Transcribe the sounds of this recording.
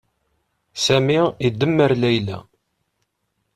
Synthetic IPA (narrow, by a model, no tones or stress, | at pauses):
sæmiid̪ːəmːəɾlæjlæ̰